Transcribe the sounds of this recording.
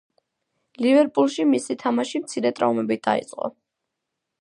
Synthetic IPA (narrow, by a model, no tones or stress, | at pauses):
livɛɾpʼulˠʃimisit̪ʰamaʃimt̪sʰiɾɛt̪ʼɾa̰umɛbid̪̥a̰ḭt̪sʼqʼɔ̰